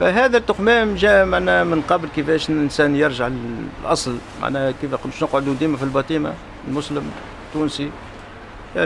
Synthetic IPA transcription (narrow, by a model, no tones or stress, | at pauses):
fæɦæːðæt̪ːʊxmæːmʒæːmaʕnæmənqɑbəlkəfæːʃɪnsæːnjəɾʒaʕlʔɑ̰sˤlma̰ʕnækifæqʊnːəʃnəqʕod̪ud̪iːmafilbɑt̪ˤiːma̰ | lmʊsləm | t̪ːuːnsi